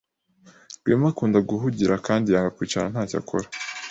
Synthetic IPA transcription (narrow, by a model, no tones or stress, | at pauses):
ɡweːmakuːndaɡuɦuɟiɾʔakaːndijaːŋɡakwiːt͡ʃanan̥haːca̰kʰo̰ɾḁ